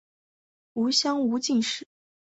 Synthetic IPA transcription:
u˧˥ɕjɑ˥ŋu˧˥t͡ɕi˥˩nʂɻ̩˥˩˦

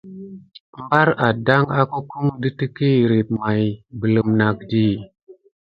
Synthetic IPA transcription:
mba˦ɾa˨da˦ŋa˦ku˦ku˦mdə˦tə˦ki˦˨ɾi˨p̚ma˨jbə˨lə˨mna˨kdi˦

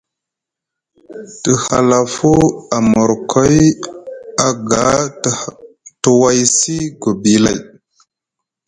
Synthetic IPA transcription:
tə˨ha̰˨la˨fu˦a˨mo˨ɾkʰo˦j | a˨ɡa˨˦ | tu˨wa˦jsi˦ɡo˨bi˨la̰˨j

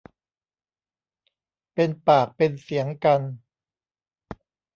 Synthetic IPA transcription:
pe˧npaː˨˩k̚pe˧nsi˩˦əŋka˧n

